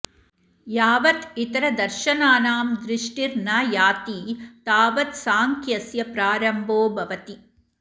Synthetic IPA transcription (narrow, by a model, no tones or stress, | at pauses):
jaːʋɐt̪it̪ɐɾɐd̪ɐɾʃɐnaːnaːmd̪ɾɪʂʈiɾnaːjaːt̪iːt̪aːʋɐt̪saːŋkʰjɐsjɐpɾaːɾɐmbʱoːbʱɐʋɐt̪i